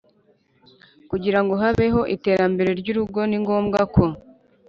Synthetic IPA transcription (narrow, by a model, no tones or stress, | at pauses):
kuɟiɾaŋɡo̞ɦaβe̞ɦo̞ʔite̞ːɾambe̞ɾe̞ɾɟuɾuɡo̞niŋɡo̞ːmɡako̞